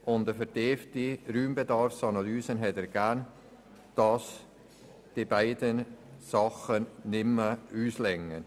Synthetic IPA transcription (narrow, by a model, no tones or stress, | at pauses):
ʔʊndəfɛɾd̥eːftiɾyːmbedɑɾfsɑnɑlyːsənɦɛtəɾɡ̥æːɾn | d̥ɑs | d̥ibaɪdənsɑχənnɪmːəyːslɛŋːən